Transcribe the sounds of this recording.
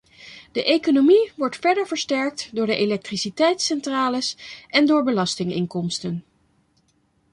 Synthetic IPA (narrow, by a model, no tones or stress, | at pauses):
d̥əʔejkonomiʋɔɹtfɛɹdəɹvəɹstɛɹk̚tdʊːɹdəʔelɛk̚trisitɛjtsɛntraːləsʔɛndʊːɹbəlɑstɪŋɪ̰ŋkɔmstən